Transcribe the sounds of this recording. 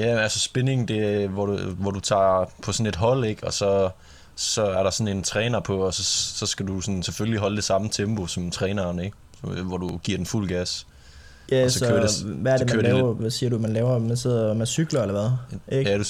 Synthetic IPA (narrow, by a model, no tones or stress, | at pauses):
jæælsəsb̥e̝ne̝ŋn̩d̥e̝ʋɒʋɒd̥ut͡sʰɑ̰̈ːpʰɒ̽sɔ̽ne̝d̥ɦɒ̽l̰e̝ɡ̥ɒ̽sɒ̽ | sɒ̽æɐɾɑ̈sɒ̽ne̝nt͡sʰʁɛːnɐpʰɒ̽ːsɒ̽sɒ̽sɡ̥ædusɒ̽nsefølliɦɒ̽ld̥e̝sɑ̈mət͡sʰemb̥o̝sɒ̽mt͡sʰʁɛːnɐnəeɡ̥ | ʋɒd̥uɡ̥iɐd̥enful̰ɡ̥æs | jæsɒɒkø̰ɐeʋæɐd̥emkæøɐlɛːʊɐʋæsiːɐɾumænlɛːʊɐmænseð̰ˠɐmæsyɡ̥lɐelɐʋæð̩ˠeɡædu